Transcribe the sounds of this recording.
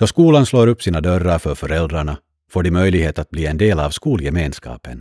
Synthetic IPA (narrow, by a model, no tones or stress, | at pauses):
d̥̪ɔskuːlansloːɾɵpːsiːnad̪œɾːaɾfœɾfœɾɛld̪ɾaɳa | foːɖɪmœjlɪɡheːt̪at̪̚bliːɛnd̪eːlaːvskuːljɛmeːnskɑ̰ːpən